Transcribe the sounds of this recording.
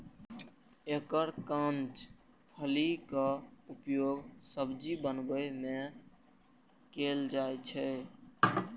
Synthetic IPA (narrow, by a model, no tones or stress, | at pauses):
ekəɾkãnt͡ʃ | pʰəlikəupjoɡsəbd͡ʒibənbəme | keld͡ʒaet͡ʃʰɛ